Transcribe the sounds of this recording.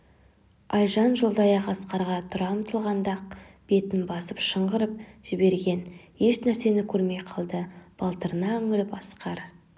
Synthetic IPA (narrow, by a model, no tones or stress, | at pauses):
ɑjʒɑnʒo̞lˠd̪ɑjɑqɑsqɑɾʁɑt̪ʰʊɾɑmt̪ʰəlˠʁɑnd̪ɑq̚ | b̥e̞t̪ɪnbɑsəpʃəɴʁəɾəp̚ʒ̥ɪbe̞ɾɡʲe̞n | je̞ʃnæɾse̞nɪkʲʰɵɾme̞jqʰɑlˠd̪əb̥ɑlˠt̪əɾənɑɵŋɪlɪpɑsqɑɾ